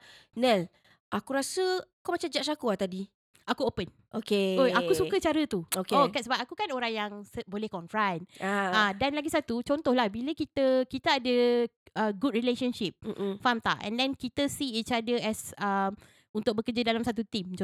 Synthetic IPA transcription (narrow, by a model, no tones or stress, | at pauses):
nɛl | ʔakuɾasəakamat͡ʃamd͡ʒaʔsakuat̪adi | ʔakuopən | ʔokeojakusukət͡ʃaɾət̪uokokɛsəbapakukanoɾaŋjaŋsəbolɛhkɔ̃nfɾajnaadanlaɡisat̪ut͡ʃɔnt̪ɔhlahbiləkit̪əkit̪əːdə | əɡud̚ɹileʃənʃip̩̚famt̪a̰ʔɛ̰̃ndɛ̃nkit̪əsiit͡ʃadəɛsəm | unt̪ʊk̚bəkəd͡ʒadalamsat̪̬ut̪imt͡ʃ